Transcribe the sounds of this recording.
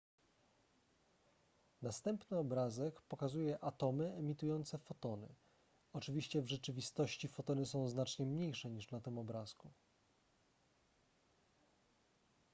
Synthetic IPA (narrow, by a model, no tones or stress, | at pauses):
nast̪ɛmpnɘɔbɾazɛkpɔkazujɛʔat̪ɔmɘɛmʲit̪ujɔnt̪sɛfɔt̪ɔnɘ̰ | ɔt͡ʂɘvʲiɕt͡ɕɛvʐɛt͡ʂɘvʲist̪ɔɕt͡ɕifɔt̪ɔnɘsɔ̃w̃znat͡ʂɲɛmɲejʂɛɲiʂnat̪ɘmɔbɾasku